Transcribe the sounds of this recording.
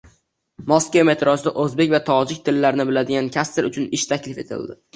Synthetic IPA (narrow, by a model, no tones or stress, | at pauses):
mɒskʲeme̞t̪ɾʔɒsd̪a̰ʔɵzbekʲvat̪ʰɒd͡ʒɪk̚ʲt̪ʰɪlːaɾɪnɪbɪlad̪ɪɡʲankʲʰast̪ʰɪɾʊt͡ʃʰʊnɪʃt̪ʰakʲlɪfe̞t̪ʰɪ̰ld̪ɪ